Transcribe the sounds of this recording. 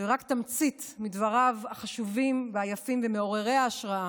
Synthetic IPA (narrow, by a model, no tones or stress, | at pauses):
eʁakt̪amt͡sit̪mid̪vaʁavaχaʃuvimveajafimvemeo̞ʁe̞ʁeaːʃʁaa